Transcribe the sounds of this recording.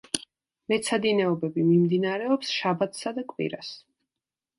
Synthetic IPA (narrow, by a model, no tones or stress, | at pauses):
mɛt̪sʰad̪inɛɔbɛbimimd̪inaɾɛɔpsʃabat̪ʰsad̪akʼwḭɾas